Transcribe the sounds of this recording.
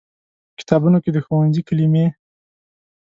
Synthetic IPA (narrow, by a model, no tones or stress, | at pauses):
kɪ̥t̪ɑbunoked̪əxowanzikalime